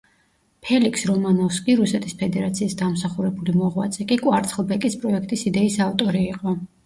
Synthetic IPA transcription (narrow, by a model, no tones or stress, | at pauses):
pʰɛlikʰsɾɔmanɔfskʼiɾusɛt̪ʰispʰɛd̪ɛɾat̪sʰiːsd̪amsaχuɾɛbulimɔʁwa̰t̪sʼɛkʼikʼwaɾt̪sχlˠbɛkʼispʼɾɔɛkʰt̪ʼisid̪ɛisaft̪ʼɔɾiːqʼɔ